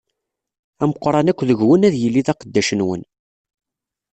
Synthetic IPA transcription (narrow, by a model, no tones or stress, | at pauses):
æməqːɾˤɑnækʷːðəʝwənæðjəlːiðɑqəd̪ːæʃənwə̰n